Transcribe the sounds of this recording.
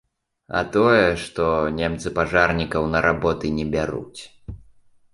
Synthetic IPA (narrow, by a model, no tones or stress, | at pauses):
ɐ̰t̪ɔjɛʂt̪ɔnʲɛmt̪sɨpaʐarnʲikɐwnɐɾʔabɔt̪ɨnʲɛbʲaɾṵt͡sʲ